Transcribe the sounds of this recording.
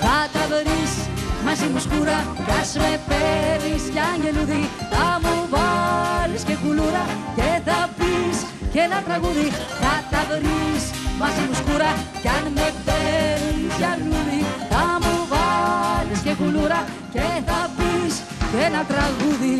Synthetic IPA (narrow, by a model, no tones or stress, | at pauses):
kat̪aβəɾismasimuskuɾakasmepeðiskaŋɡeluðikamuβaleskekuluɾa | keðapis | kelat̪ɾaɣuði | kat̪aðəɾis | masimuskuɾa | kanmepeɾisjanuðikamuβaleskekuluɾa | keðapis | kelat̪ɾaɣuði